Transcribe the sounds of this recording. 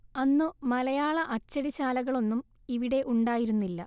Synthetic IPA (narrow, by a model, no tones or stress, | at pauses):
ɐnːɨmɐlɐjaːɭɐʔɐt͡ɕːɐɽiɕaːlɐɣɐɭo̞nːum | iʋiɽe̞ʔuɳɖaːjiɾunːilːɐ